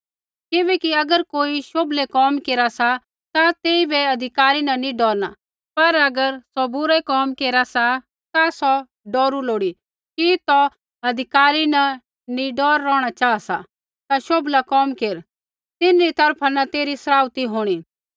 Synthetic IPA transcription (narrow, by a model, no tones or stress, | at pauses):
kɪbɛːkiɐɡəɾkoːiʃoːblekɔːmkeːɾasa | t̪at̪eːibɛɐd̪ʱɪkaːɾinɐnĩɖɔːɾna̰ | pɐɾɐɡəɾsɔbʊɾɛkɔːmkeːɾasa | t̪asɔ | ɖɔːɾuloːɽi | kit̪ɔ | ɐd̪ʱɪkaːɾinɐ | nĩɖɔːɾːɔːɽ̃at͡ʃaːasa | t̪aʃoːblakɔːmkeːɾ | t̪ɪnɾit̪ɐɾpʰanɐt̪eːɾisɐɾaːwt̪iɦoːɽ̃iː